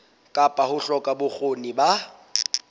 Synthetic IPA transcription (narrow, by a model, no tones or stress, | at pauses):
kʼapʼahʊɬɔkʼabʊk͡xʰoniba